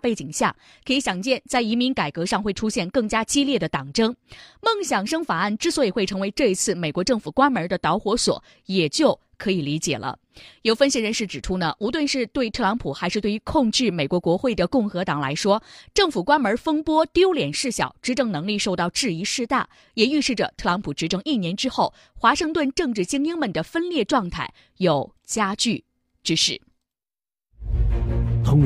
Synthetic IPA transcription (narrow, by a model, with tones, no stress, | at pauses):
pe˥˩ɪt͡ɕi˨˩ŋɕja̰˥˩ | kʰɤ˧˥i˧˥ɕjɑ˨˩ŋt͡ɕjɛ˥˧nt͡sa˥˩ɪi˧˥mi˧˥nka˨˩ɪkɤ˧˥ʂɑ˥˧ŋxwe˥˩ɪʈ͡ʂʰu˥ɕjɛ˥˧nkɤ˥˩ŋt͡ɕja˥t͡ɕi˥ljɛ˥˩d̪ə˩t̪ɑ˨˩ŋʈ͡ʂɤ˥ŋmɤ˥˩ŋɕjɑ˨˩ŋʂɤ˥ŋfa˨˩a˥˩nʈ͡ʂɻ̩˥swɔ˧˥i˨˩xwe˥˩ɪʈ͡ʂʰɤ˧˥ŋwe˧˥ɪʈ͡ʂɤ˥˧i˧˥t͡sʰɹ̩˥˩me˨˩ɪkwɔ˧˥ʈ͡ʂɤ˥˩ŋfu˨˩kwa˥nmə˞˧˥d̪ə˧t̪ɑ˧˥ʊxwɔ˧˥swɔ̰˨˩˦ | jɛ˨˩t͡ɕjo˥˩ʊ | kʰɤ˧˥i˨˩li˧˥t͡ɕjɛ̰˨˩lʔə̰˦ | jo˨˩ʊfə˥nɕi˥˩ɻə˧˥nʂɻ̩˥˩ʈ͡ʂɻ̩˨˩ʈ͡ʂʰu˥nə˨ʔu˧˥t̪wə˥˧nʂɻ̩˥˧t̪we˥˧ɪt̪ʰɤ˥˧lɑ˧˥ŋpʰu˨˩xa˧˥ɪʂɻ̩˥˧t̪we˥˩ɪy˧˥˧kʰʊ˥˧ŋt͡ɕy˥˩me˨˩ɪkwɔ˧˥kwɔ˧˥xwe˥˩ɪd̪ə˩kʊ˥˩ŋxɤ˧˥t̪ɑ˨˩ŋla̰˧˥ɪʂwɔ˥ʈ͡ʂɤ˥˩ŋfu˨˩kwa˥nmə˞˧˥fə˥ŋpwɔ˥t̪jo˥ʊljɛ˨˩nʂɻ̩˥˩ɕjɑ˨˩ʊʈ͡ʂɻ̩˥ʈ͡ʂɤ˥˩ŋnɤ˧˥ŋli˥˧ʂo˥˧ʊt̪ɑ˥˧ʊʈ͡ʂɻ̩˥˩i˧˥ʂɻ̩˥˧t̪a˥˩ | jɛ˨˩y˥˧ʂɻ̩˥˩ʈ͡ʂə̰˩t̪ʰɤ˥˩lɑ˧˥ŋpʰu˨˩ʈ͡ʂɻ̩˧˥ʈ͡ʂʰɤ˧˥ŋi˥˩njɛ˧˥nʈ͡ʂɻ̩˥xo˥˩ʊ | xwa˧˥ʂɤ˥˧ŋt̪wə˥˧nʈ͡ʂɤ˥˧ŋʈ͡ʂɻ̩˥˩t͡ɕi˥ŋi˥ŋmə˨nd̪ə˩fə˥nljɛ˥˧ʈ͡ʂwɑ˥˧ŋt̪ʰa˥˩ɪ | jo˨˩ʊ | t͡ɕja˥t͡ɕy˥˩ | ʈ͡ʂɻ̩˥ʂɻ̩˥˩ | t̪ʰʊ˧˥ŋ